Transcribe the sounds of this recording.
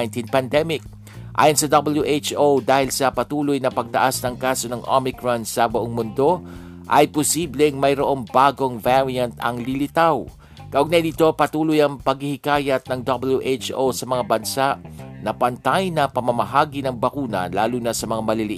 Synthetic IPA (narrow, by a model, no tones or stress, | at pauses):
nt̪inpɐnd̪ɛmɪk̚ | ʔa̰ːjʊnsɐd̪ɐbɐljuʔet͡ʃʔowd̪aːhɪlsɐpɐt̪uːlʊjnɐpɐɡ̚t̪ɐʔasnɐŋkaːso̞nɐŋʔo̰mɪkɹɔnsɐbʊʔoŋmʊnd̪o̞ | ʔɐ̰jpʊsiːblɛŋmɐjɾoʔo̞ŋbaːɡo̞ŋvaɹiɐnt̪ɐ̰ŋlɪlɪt̪aw | kɐʔoɡ̚nad̪iːt̪o̞pɐt̪uːlʊjɐŋpɐɡ̚hɪhɪkaːjɐt̪̚nɐŋd̪ɐbɪljuʔet͡ʃʔowsɐmɐŋabɐnsaʔnɐpɐnt̪ajnɐpɐmɐmɐɦaːɡinɐŋbɐkuːnɐ̰la̰ːluːnɐsɐmɐŋamɐlɪlɪʔ